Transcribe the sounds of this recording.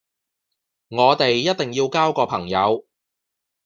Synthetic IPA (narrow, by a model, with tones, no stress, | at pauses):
ŋɔː˨˧t̪e˨jːɐ˥t̚t̪ɪ˨ŋjiː˧wkaː˥wkɔː˧pʰɐ˨˩ŋjɐ˨˧w